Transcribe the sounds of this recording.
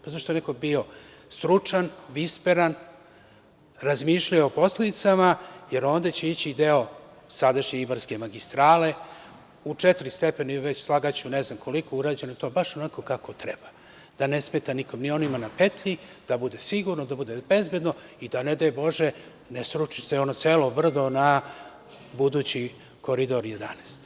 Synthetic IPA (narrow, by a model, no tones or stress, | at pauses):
pazaʃt̪oeneko̞bio̞ | st̪ɾut͡ʂanʋispeɾan | ɾazmiʃʎajeopo̞sled̪it̪samaje̞ɾoːnd̪at͡ɕeit͡ɕiːd̪eo̞ | sad̪aʃɲeibaɾske̞maɡist̪ɾaːle̞ | ut͡ʂɛt̪ɾist̪epeniʋe̞t͡ɕslˠaɡat͡ɕunezamkʰo̞likouɾaːd͡ʑenoit̪o̞ːbaʃo̞nako̞kakot̪ɾeba | d̪̥ane̞smeːt̪aniko̞mnio̞nimanapet̪ʎid̪̥abud̪e̞siɡuɾnod̪abud̪ebe̞zbed̪noid̪aned̪ajebo̞ʒe | nesɾuʃi̥seo̞notseːlobr̩d̪o̞na | bud̪uːt͡ɕi | ko̞ɾid̪o̞ɾjed̪a̰neːst̪